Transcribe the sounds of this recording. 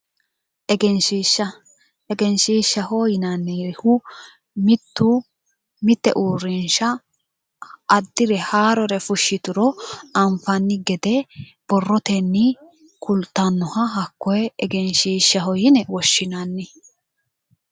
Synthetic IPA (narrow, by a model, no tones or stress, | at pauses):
ʔɛɡɛnʃiʃːɐ | ɛɡɛnʃiːʃːɐhɔːjɪnɐnːiːɾɪhʊ | mɪt̪ːu | mɪt̪ːɛ̰ʔuːrɪnʃɐ | d̪ːɪɾɛhaːɾɔɾɛfʊʃːɪt̪ʊɾɔɐɱfɐnːɪɡɛd̪ɛb̥ɔrːɔt̪ɛnːɪ | kʰʊlt̪ːɐnːɔhɐɦɐkːɔjɛɛɡɛnʃiːʃːɐɦɔjɪnɛwɔʃːɪnɐnːɪ